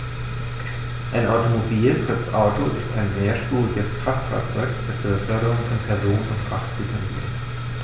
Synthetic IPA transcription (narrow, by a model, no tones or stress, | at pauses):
ʔaɪnʔaʊtomobiːlpʁ̥ɪt͡sʔa̰ʊtʰoʔɪ̰staɪnmeːɐʃpuːʁɪɡəskʁ̥aftfa̰ːɐt͡sɔ̰ʏkd̥ɛsəəfœɐɾəʁʊŋfɔnpʰɛɐzoːnənʊntkʁ̥aχtb̥əkʰʏnɪ̰çt